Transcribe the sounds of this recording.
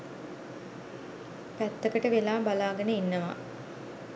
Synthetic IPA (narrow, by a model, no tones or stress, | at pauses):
pæt̪ːəkəʈəʋelaːbalaːɡənəinːəʋa̰